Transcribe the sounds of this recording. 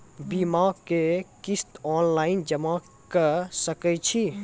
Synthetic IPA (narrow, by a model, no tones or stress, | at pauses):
bimaːɡkekɪst̪ɔːnlaːɪnd͡ʒəma | kəsəkət͡ʃʰi